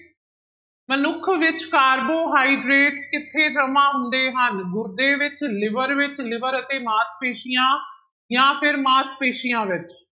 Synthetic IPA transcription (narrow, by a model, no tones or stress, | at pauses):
mənʊkʰʋɪt͡ʃkaːɾboːɦaːiːɖɾeːʈskɪt̪ʰːeːd͡ʒəmãːɦʊnd̪eːɦənɡʊɾd̪eːʋɪt͡ʃlɪʋəɾʋɪt͡ʃlɪʋəɾət̪eːmaːspeːʃijãː | jãːpʰɪɾmaːspeːʃijãːʋɪt͡ʃ